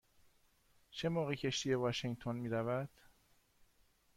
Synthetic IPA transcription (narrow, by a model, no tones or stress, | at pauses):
t͡ʃʰemɒːɣicʰe̞ʃt̪ijevɒʃeŋt̪ʰonmiːɾævæd̪̥